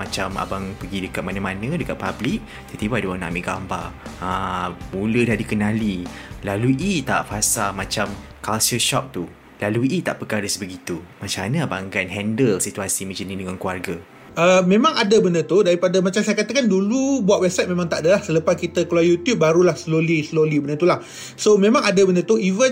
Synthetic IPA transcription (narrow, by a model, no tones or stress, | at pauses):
mat͡ʃama̰baŋpəɡidəkat̪̚manə̃manə̃dəkat̪̚pablik̚ | t̪ət̪ibadəwana̰ʔmeʔɡamba̰ramulədahdikənalilaluit̪a̰ʔfasalmat͡ʃam | kalsəʃɔp̚t̪u | laluit̪a̰ʔpəkaɾəsbəɡit̪umat͡ʃanaba̰ŋɡanɦɛndəlsit̪uasimĩd͡ʒənĩdəŋankuarɡa | ʔəmẽmãŋadəbəndət̪udaɾipadamat͡ʃamsajakat̪əkandulubuat̪wɛb̚sat̪̚mẽmãŋt̪aʔdəlahsələpaskit̪əkloajut̪jup̚baɾulahsəlolisəlolibənət̪ulah | somẽmãŋadəbəndət̪uivən